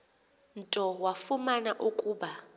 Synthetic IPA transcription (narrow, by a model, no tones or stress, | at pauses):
n̩tʼɔwafumanaʔukʼuːɓa